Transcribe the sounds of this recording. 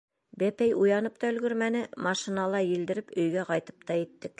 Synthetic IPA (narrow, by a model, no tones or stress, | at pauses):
bæpæjujɑnɤp̚t̪ɑɵ̆lɡɵ̆ɾmænɘmɑʃinɑlˠɑjĭld̪ɘ̆ɾɘpɵ̆jɡæqɑjt̪ɤ̥pt̪ɑjĭt̪ːɘk